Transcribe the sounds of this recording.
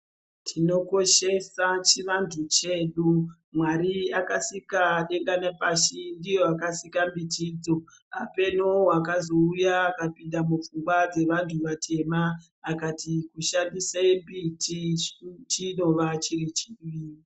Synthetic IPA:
tʰino̞ko̞ʃe̞sat͡ʃiʋantʰut͡ʃe̞ːɗu | mwaɾiakasikaɗeŋɡanapaʃindijoakasikambitiːd͡zo̞ | ape̞nowakazo̞ujaːkapinɗamup͡fuŋɡwad͡ze̞ʋantʰuʋatʰe̞maː | katikuʃandisambitit͡ʃino̞ʋat͡ʃirit͡ʃiːʋi

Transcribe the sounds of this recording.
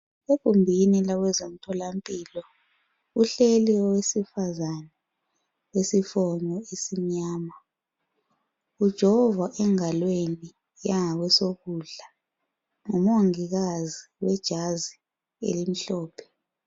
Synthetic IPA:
ekʼumbʱinilaɣwɛzom̩tʰɔlampʼilɔ | uɬeliwɔwesifazanɛ | wesifɔɲɔesiɲaːma | ud̥ʒ̥ʱɔvaʔɛŋalweni | jaŋaɣwɛsoɣuɮa | ŋumoŋiɣaziwɛd̥ʒ̥ʱazi | ḛlim̩ɬɔːpʰɛ̥

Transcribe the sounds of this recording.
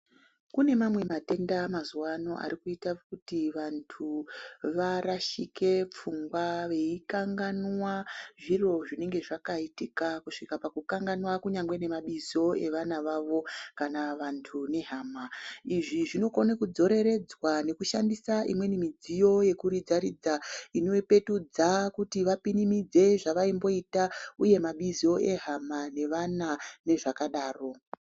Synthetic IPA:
kune̞mamwe̞mate̞ndamazuwano̞̰ʔa̰ɾikuitakutiʋantʰuʋaɾaʃike̞p͡fuŋɡwaʋe̞ikaŋɡanwaʐiro̞ʐine̞ŋɡe̞ʐakaitikakuʂikapakukaŋɡanwakuɲaŋɡwe̞ne̞maɓizo̞e̞ʋanaʋaʋo̞kanaʋantʰune̞ɦaːmaiʐiʐino̞konakud͡zo̞ɾe̞ɾe̞d͡zwane̞kuʃandisaḭmwe̞nimid͡zijo̞je̞kuɾid͡zaɾid͡zaino̞ipe̞tud͡zakutiʋapinimid͡ze̞ʐaʋaimbo̞itauje̞maɓizo̞ʔe̞ɦamane̞ʋanane̞ʐakaɗaːro̞

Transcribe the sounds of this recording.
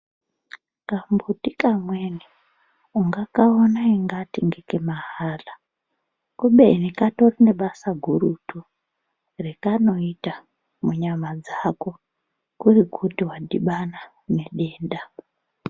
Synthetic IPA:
kambutikamweni | uŋɡakaonaiŋɡatiŋɡekemaɦaːla | kuɓenikato̞rine̞ɓasaɡʱuɾutu | rekano̞ita | muɲamad͡zako | kurikutiwaɗiɓana | neɗeːnda

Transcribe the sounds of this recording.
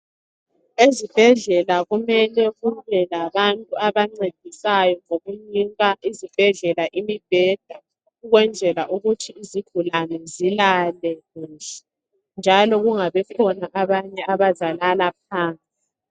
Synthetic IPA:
ezib̥ʱɛɮɛlaɣumɛlɛɣuβɛlaβantʼuaβaŋ͡ǀed̥ʱisajɔŋoɣuɲiŋɣaʔizib̥ʱɛɮɛlaʔimib̥ʱɛd̥ʱa | uɣwɛnd͡zʱɛlaʔuɣutʰiiziɡ̥ʱulanɛzilalɛɣuːɬɛ̥ | nd͡ʒʱalɔɣuŋaβɛkʰɔnaʔaβaɲɛaβazalalap̚ʰaːnt͡sʼi

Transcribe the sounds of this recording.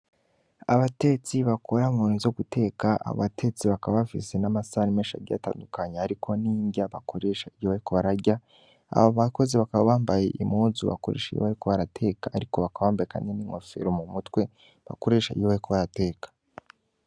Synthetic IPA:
aβate̞t͡siβakʰo̞ɾamonizo̞ɡute̞ːkaʔa̰o̰βatʰe̞t͡siβakaβaβafḭse̞namasaɾimeːʃa̰ɟa̰ta̰ːndukaɲeaɾikʰo̞niːɲɟaβako̞ɾe̞ʃaijoβaɾikoβaɾaɾɟa | a̰βoβako̞ziβakaβaβaːmbajeʔimuːzuβa̰koɾḛːʃaḭjoβaɾikoβaɾatʰe̞ːkaːɾiko̞βakaβaːmbajeka̰ːndiniːŋ̥o̞fe̞̰ɾomumutwe̞ | βa̰ko̞ɾe̞ːʃaḭjoβaɾikoβaɾate̞ːkḁ

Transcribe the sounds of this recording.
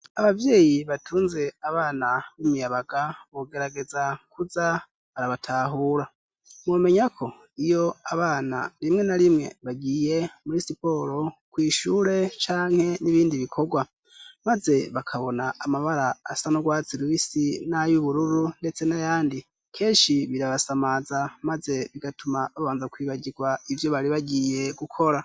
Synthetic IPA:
aβavje̞ːjiβatʰuːnze̞aβaːnaβimijaβaɡ̥aβo̞ɡe̞ɾaɡe̞zakuza | βaɾaβatʰaːɦuɾa | mwome̞ɲakʰo̞ | ijo̞aβaːna̰ɾimŋe̞naɾimŋe̞̰βaɡiːje̞muɾisipo̞ɾo̞kwiːʃuːɾe̞t͡ʃaːŋ̥he̞niβiːndiβikʰo̞ɡwa | maze̞βakʰaβo̞naːmaβaɾaːsanoɡwaːt͡siɾwisinajuβuɾuɾunde̞t͡se̞najaːndi | kʰe̞ːʃiβiɾaβasamazamaze̞βiɡatumaβaβaːnzakwiːβaɟiɡwaivjo̞βaɾiβaɟiːje̞ɡukʰo̞ɾa

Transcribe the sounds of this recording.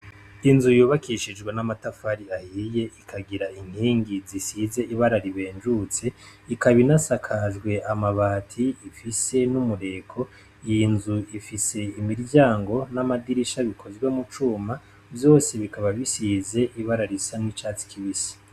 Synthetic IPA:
inzujuːβakʰiʃid͡ʒɡwenamatafaɾiahiːje̞ʔikʰaɡiɾaiŋ̥hiːŋɡizisize̞ʔiβaɾaɾiβe̞ːnd͡ʒut͡se̞ikaβinasakʰazɡwe̞ʔamaβaːtʰiifise̞numuɾe̞kʰo̞ | jinzuifise̞imiɾɟaːŋɡo̞namadiɾiʃaβikʰo̞zwemut͡ʃuːma | vjo̞ːse̞βikʰaβaβisize̞ʔiβaɾaɾisanwit͡ʃaːt͡si̥kʰiβisi̥

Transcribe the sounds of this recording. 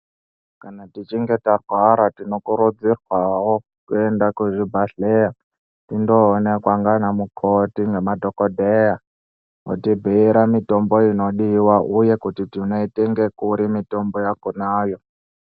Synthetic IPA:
kanatit͡ʃiŋɡe̞tarwaɾatino̞kuɾud͡zirwawo | kuendakuʐibʱaɬeja | tindo̞ːnekwaŋɡanamukʰotiŋɡemadʱokodʱeja | o̰tibʱiiɾamito̞mbo̞ino̞ɗiwaʔuje̞kutitinoiteŋɡe̞kuɾimito̞mbo̞jakunaːjo̞

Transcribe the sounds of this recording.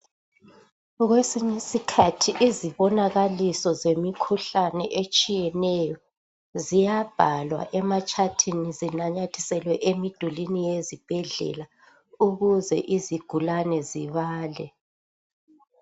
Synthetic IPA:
ɣwesiɲisikʰatʰiʔiziβɔnaɣalisɔzemikʰuɬanɛʔet͡ʃʼijɛnɛjɔ | zijab̥ʱalwa̰ʔɛmat͡ʃʼʰatʰinizinaɲatʰi̥sɛlwɛʔemid̥ʱulinijezib̥ʱɛɮɛ̰la | uɣuzɛ̰ʔiziɡ̥ʱulanɛziβaːlɛ

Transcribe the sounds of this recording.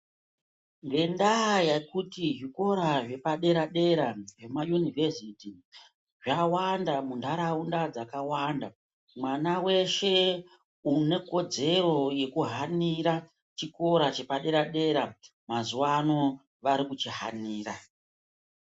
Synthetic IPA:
ŋɡe̞ndajakutiɦiko̞ɾaʐe̞paɗe̞ɾaɗe̞ɾaʐe̞majunivʱesiti | ʐawandamundʱaɾaundad͡zakawanda | mwanawe̞ʃe̞ | une̞ko̞d͡ze̞ro̞je̞kuɦaniɾa | t͡ʃiko̞ɾat͡ʃe̞paɗe̞ɾaɗe̞ɾa | mazuwano̞ | ʋaɾikut͡ʃiɦa̰niːra

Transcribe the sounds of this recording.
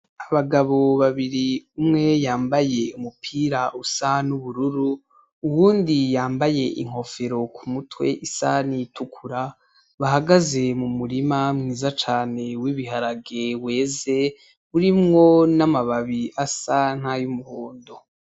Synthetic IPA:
aβaɡaβo̞βaβiɾiumŋe̞jaːmbajeumupʰiːɾaʔusanuβuɾuɾu | uwuːndijaːmbaje̞ʔḭŋ̥ho̞feɾo̞kʰumutwe̞̰ʔisa̰nitʰukʰuɾa | βaɦaɡaze̞mumuɾimamŋiːzat͡ʃaːne̞wiβiɦaɾaɡewe̞ːze̞ | βuɾimŋo̞namaβaβiasan̥hajumuhoːndo

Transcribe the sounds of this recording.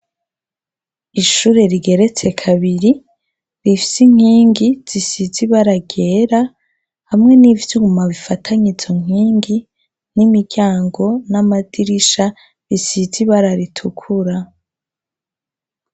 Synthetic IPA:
iʃuːɾe̞ɾiɡe̞ɾe̞t͡se̞kʰaβiɾi | ɾifi̥siŋ̥hiːŋɡiz̥isiziβaɾaɡe̞ːɾa | hamŋe̞nivjuːmaβifatʰaɲizo̞ŋ̥iːŋɡi | nimiɟaːŋɡo̞namad̥iɾiʃa | ɾisiziβaɾaɾitʰukʰuɾa

